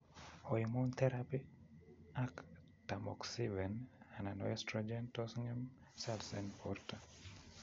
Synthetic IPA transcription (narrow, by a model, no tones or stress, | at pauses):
hoimont̪ʰɛɾapi | ak | tamɔ̰ksivɛnananɔɛstɾɔd͡ʒɛntɔsŋɛm | sɛlsɛnpɔɾta